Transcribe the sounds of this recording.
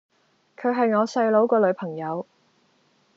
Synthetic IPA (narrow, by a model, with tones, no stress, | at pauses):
kʰɵ˨˧ɥɦɐ˨jŋɔː˨˧sɐ˧jlo˨˥wkɔː˧lɵ˨˧ɥpʰɐ˨˩ŋjɐ˨˧w